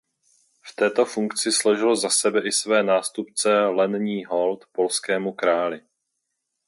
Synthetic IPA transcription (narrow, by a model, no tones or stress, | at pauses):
ft̪ɛːt̪o̞fuŋkt͡sɪsloʒɪlozasɛbɛʔɪsvɛːnaːst̪upt͡sɛlɛnɲiːɦo̞lt̪po̞lskɛːmukɾaːlɪ